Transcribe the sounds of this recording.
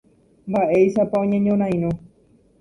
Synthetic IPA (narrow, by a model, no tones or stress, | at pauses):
mbaʔe̞jʃapaõɲẽɲõɾ̃ãj̃ɾõ